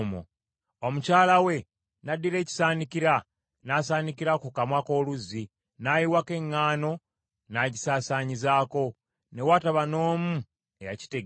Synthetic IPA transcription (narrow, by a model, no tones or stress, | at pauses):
mo̰ | omucaːlawe̞ | nadːiɾe̞ːci̥saːnikiɾa | naːsaːnikiɾakukamwako̞ːluzːi | najiwake̞ŋːaːno̞ | naɟisaːsaːɲizaːko̞ | ne̞wataβano̞ːmu | eja̰ci̥teɡ